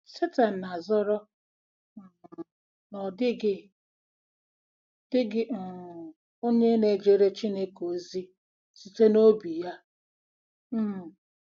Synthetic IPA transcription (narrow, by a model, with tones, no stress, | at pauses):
se˦ta˨n̩˨na˨zɔ˦ɾɔ˦˨ | nɔ˨dɪ˦ɡɪ˦ | d̥ɪ˦ɡɪ˦˨ | o˦ɲe˦ne˨d͡ʒe˨ɾe˦t͡ʃi˦ne˦ko˨zi˦ | si˨te˦no˦bi˨ja˦˨